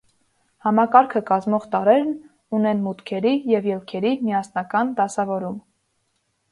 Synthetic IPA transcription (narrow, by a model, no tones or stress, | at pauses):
hɑmɑkɑɾkʰəkɑzmɔʁt̪ɑɾɛɾn | unɛnmut̪kʰɛɾijɛvjɛlkʰɛɾimijɑsnɑkɑnd̪ɑsɑvɔɾum